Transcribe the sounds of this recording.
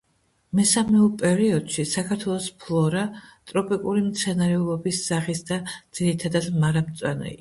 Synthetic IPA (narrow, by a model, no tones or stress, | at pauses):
mɛsamɛupʼɛɾiɔd̪̥ʃisakʰaɾt̪ʰwɛlˠɔspʰlˠɔɾat̪ʼɾɔpʼikʼuɾimt̪sʰɛnaɾɛulˠɔbisz̥aχisd̪ad̪z̥iɾit̪ʰad̪ad̪maɾamt̪sʼwanɛ̰i